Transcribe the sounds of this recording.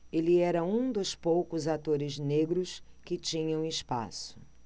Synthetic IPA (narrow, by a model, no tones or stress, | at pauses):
elɪɛɾɐũd̪ʊspowkʊzat̪oɾɪzneɡɾʊskɪt͡ʃĩɲɐ̃w̃ɪspa̰sʊ̥